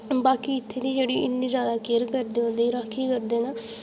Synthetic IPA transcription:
baːkiːɪt̪ʰːeːd̪iːd͡ʒeːɽiːʔɪnːĩːzjaːd̪aːkeːɾkəɾd̪eːɦõːnd̪eːɾakʰːiːkəɾd̪eːnaː

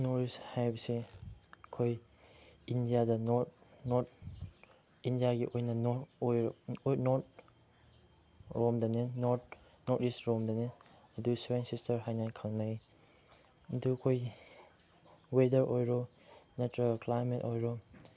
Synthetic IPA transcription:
nɔɾishajbɐse | kʰoj | indijadɐnɔtnɔt̚ | indijaɡiʔojnɐnɔjnɔt̚ | ɾɔmdanenɔt | nɔtistɾɔmdane | duswensistɐɾɦajnajkʰalnaj | dukʰoj | wedɐɾʔojɾɔ | netɾɾaklajmetojɾɔ

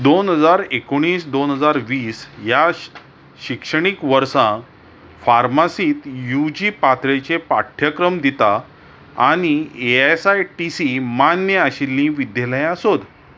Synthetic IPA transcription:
d̪onɦəd͡zaɾekoɽ̃iːsd̪onɦəd͡zaɾʋiːsja | ɕikʂəɽ̃ikʋəɾsã | faɾmasiːt̪jud͡ʑipat̪ʰɾet͡ɕepaʈʰːjəkɾəmd̪it̪a | aɽ̃ieesajʈisimanjəaɕilːĩʋid̪jələjasod̪

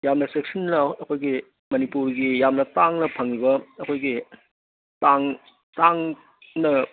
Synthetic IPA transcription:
jamnɐsek̚sɐnlɐɐkʰojɡi | mɐnipuɾɡijamnɐtaŋnɐpʰɐŋlibɐɐkʰojɡi | taŋ | taŋ | nɐ

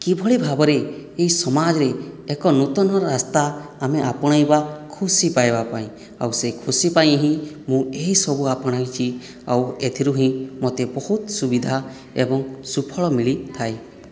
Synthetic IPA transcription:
kibʱɔɭibʱabɔɾeeisɔmad͡ʒɔɾeːkɔnut̪ɔnɔɾɔɾast̪aːmeʔapɔɽ̃ajbakʰusipajbapaĩ | a̰wsekʰusipaj̃ɦĩ | mũeɦisɔbuapɔɽ̃ajt͡ʃʰi | a̰wet̪ʰiɾuɦĩmot̪ebɔɦut̪subid̪ʱa | ḛbɔŋsupʰɔɭɔmiɭit̪ʰae

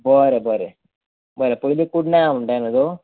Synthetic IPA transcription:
boːɾeboːɾe | boːɾepojilekuɽnaːmuɳɖaːnːɐðoː

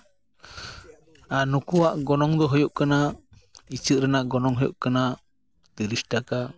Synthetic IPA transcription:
anukuwaʔɡɔnɔŋd̪ɔɦɔjɔʔkana | it͡ʃɨʔ̪̚ɾɛnaʔɡɔnɔŋɦɔjɔʔkana | d̪iɾisʈaka

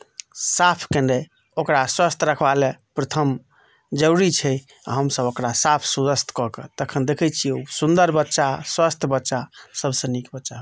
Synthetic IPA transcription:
sapʰkene | okɾaswəst̪ʰɾəkʰbalepɾət̪ʰəm | d͡ʒəɾit͡ʃʰɛ | a̰ɦəmsəbokɾasapʰsudəst̪ʰkɔket̪əkʰənd̪ekʰɛt͡ʃʰiusund̪əɾbətːʃaswəst̪ʰbətːʃasəbsə̃nikbətːʃaɦ

